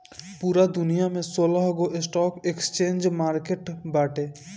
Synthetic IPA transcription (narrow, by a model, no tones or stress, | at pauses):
puːɾad̪ʊnijamẽsoːlaɦɡoʔɪsʈɔːkekst͡ʃẽːnd͡ʒmaːɾkeʈbaːʈeː